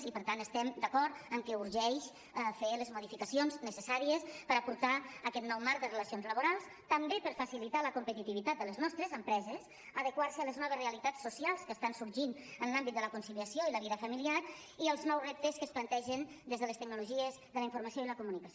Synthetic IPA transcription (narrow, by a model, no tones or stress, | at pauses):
zipəɾt̪ant̪əst̪ɛmd̪əkɔɾt̪əŋkɛuɾʒɛʃ | feləzmuð̞ifikəsionznəsəsaɾiəspəɾapuɾt̪aəkɛt̪nɔwmaɾk̚d̪ərələsionzləβuɾalˠs | t̪əmbepəɾfəsilit̪aləkumpət̪it̪iβit̪at̪̚d̪ələznɔst̪ɾəzəmpɾɛzəs | əðəkwarsəələznɔβəzreəlit̪asːusialˠskəːst̪ansuɾʒinənlambit̪̚d̪ələkunsiliəsioiləβiðəfəmiliaɾ | iəlˠznɔwzrep̚t̪əskəsplənt̪ɛʒən | d̪ezðələst̪ək̚nuluʒiəzðələiɱfuɾməsioiləkumunikəs